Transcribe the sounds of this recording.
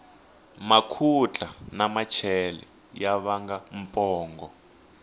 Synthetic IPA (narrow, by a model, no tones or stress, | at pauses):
makʰut͡ɬʼanamat͡ʃʰɛlɛ̰ | jaβaŋɡam̩pʼɔːŋɡɔ